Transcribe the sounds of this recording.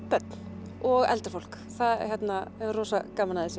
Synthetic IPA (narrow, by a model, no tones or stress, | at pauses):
pœt̪n̥ | ɔɣɛ̰lt̪ɪ̥ɾ̥folk | θaðçjɛt̪naroːsakaːmanaðɛsɪ